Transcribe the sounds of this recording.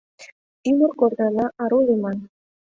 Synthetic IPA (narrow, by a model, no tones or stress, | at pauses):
t̪imurkord̪ɑlɑʔɑɾulʲimɑn